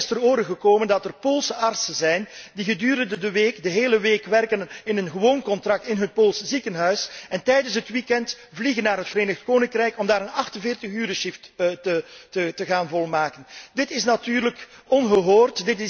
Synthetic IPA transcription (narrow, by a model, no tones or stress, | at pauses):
ɪstəroːɾəɣəkoːməndɑtərpoːlˠsəʔɑrtsəzɛjndiɣədyːɾəndədəʋeːkdəɦeːləʋeːkʋɛrkənɪnənɣəʋoːnkɔntrɑk̚tɪnɦət̚poːlˠsəzikənɦœɥsɛntɛjdəns̬ɦətʋikɛnt | vliɣənːaːɾɦətfəɾeːnəxtkoːnɪŋkrɛjkɔmdaːɾənɑxtənvɪːrtəxyːɾəʃɪfttəətəɣaːnvɔlˠmaːkəndɪtɪsnɑtyːrləkɔnɣəɦoːrtdɪtɪ